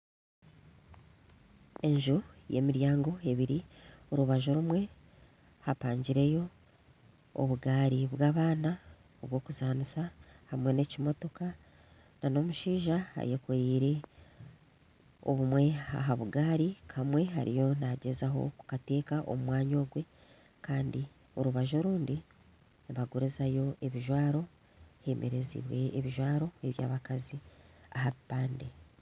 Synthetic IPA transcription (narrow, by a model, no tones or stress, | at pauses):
e̞ɲʒoje̞miɾjaːŋɡo̞e̞βiɾioɾuβaʒo̞ɾumwe̞ | hapaːɲɟiɾe̞jo̞ | o̰βuɡaːɾiβwaːβaːna | oβwo̞ːkuzaːnusahamwe̞ne̞cimo̞to̞ka | nano̞muʃiːʒaha̰jekuɾiːɾe̞ | o̰βumwe̞a̰ɦaβuɡaːɾikʰamwe̞ha̰ɾḭjo̞naɟe̞zaɦo̞̰ku̥kate̞ːkaʔo̰mumwaːɲo̞ːɡwe̞ | kaːndi | o̞ɾuβaʒo̞ɾuːndi | βaɡoɾezajo̞e̞βiʒwaːɾo̞ | he̞mʔe̞̰ɾe̞zḭβwe̞ːβiʒwaːɾo̞eβja̰ːβakaziahaβipaːnde